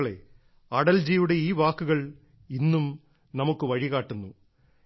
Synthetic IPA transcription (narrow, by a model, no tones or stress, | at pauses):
ɭe̞̰ | ɐɽɐld͡ʑijuɽe̞iːʋaːkːuɣɐɭ | inːum | nɐmukːɨʋɐɻiɣaːʈːunːu